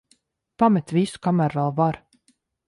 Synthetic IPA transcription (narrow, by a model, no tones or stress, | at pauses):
pamɛt̪viskamæɾalˠvaɾ